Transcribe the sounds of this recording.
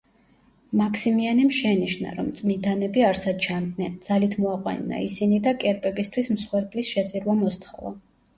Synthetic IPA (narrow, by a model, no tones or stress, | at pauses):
makʰsimianimʃɛniʃna̰ɾɔmt̪sʼmind̪anɛbiaɾsad̪t͡ʃʰannɛnd̪z̥alit̪ʰmɔaqʼwa̰nːa̰isinid̪akʼɛɾpʼɛbist̪ʰwismsχwɛɾkʼlisʃɛt̪sʼiɾvamɔst̪ʰχɔva̰